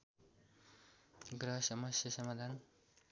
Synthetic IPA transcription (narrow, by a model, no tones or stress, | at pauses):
ɡɾʌɦʌsʌmʌsjʌsʌmad̪ʱan